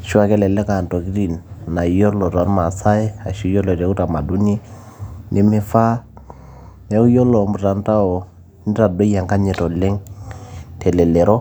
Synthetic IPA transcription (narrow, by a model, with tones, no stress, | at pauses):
ʃu˦a˦˨kɛ˦lɛ˨lɛ˦ka˨nto˨ki˦ɾi˨nna˨jɔ˦lɔ˨ta˨˦ɾma˨sa˦ɛ˦a˨ʃu˦jɔ˦lɔ˨tɛ˨˦u˦ta˨ma˨du˦ni˦ | nʔɛ˦mɛ˦fa˦ | ɛ˦ku˦jɔ˦lɔ˨mbu˨ta˨n˦ta˦ɔ˨ | n˦ɾa˨do˦ja˨ŋka˦ɲɛ˨tɔ˨lɛ˦ŋ | tʰɛ˨lɛ˨lɛ˨ɾɔ˦